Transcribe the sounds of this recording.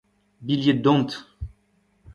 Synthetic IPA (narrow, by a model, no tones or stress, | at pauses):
biljed̪ɔ̃nt̪